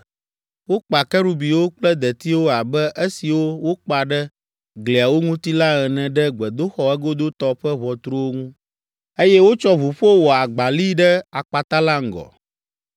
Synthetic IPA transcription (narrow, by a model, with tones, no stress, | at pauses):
wo˦k͡pa˨kɛ˦ɾu˦bi˨wo˦k͡plɛ˦d̪ɛ˨t̪i˦wo˦a˨bɛ˦ʔe˦si˨wo˦wo˦k͡pa˨ɖɛ˦ | ɡli˨a˨wo˦ŋũ˦t̪i˦la˦ɣɛ˨nɛ̃˨ɖɛ˦ɡ͡bɛ˨d̪o˦xɔ˨ɛ˦ɡo˦d̪o˦t̪ɔ˦ɸɛ˦βɔ˨t̪ɾo˦wo˦ŋũ˦ | e˦jɛ˦wo˦t͡ʃɔ˦βu˨ɸo˦wɔ˨a˨ɡ͡ba˨li˦ɖɛ˦a˨k͡pa˨t̪a˦la˦ŋ̩˨ɡɔ̰˨